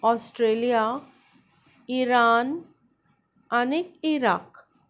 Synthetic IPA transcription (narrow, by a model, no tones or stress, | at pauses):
ɔsʈɾelija | iɾan | anikiɾak